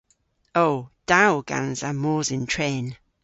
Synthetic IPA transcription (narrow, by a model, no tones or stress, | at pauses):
owd̥awɡ̥a̰nzamɔːzɪ̃ntʰɹɛːn